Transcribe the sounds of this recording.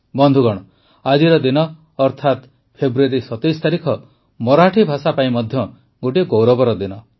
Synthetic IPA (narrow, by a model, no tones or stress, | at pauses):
bɔnd̪ʱuɡɔɽ̃ɔ | ad͡ʒiɾɔd̪inɔː | ɾt̪ʰat̪ | pʰebɾueɾisɔt̪ɔjst̪aɾikʰɔ | mɔɾaʈʰibʱasapaĩmɔd̪ʱjɔ | ɡoʈiɡowɾɔbɔɾɔd̪inɔ